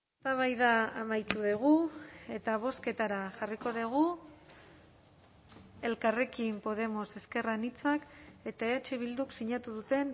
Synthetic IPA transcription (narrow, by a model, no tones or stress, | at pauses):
est̪aβ̞ajðaamajt̪uðeɣ̞ue̞t̪aβ̞o̞ske̞t̪aɾaʝariko̞ðeɣ̞u | e̞lkare̞kimpo̞ð̞e̞mo̞se̞ske̞ranit͡sake̞t̪aeat͡ʃeβ̞ild̪uksiɲat̪uðut̪e̞n